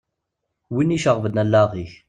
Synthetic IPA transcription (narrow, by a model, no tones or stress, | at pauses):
winːiʃəʁvəd̪nælːæʁiç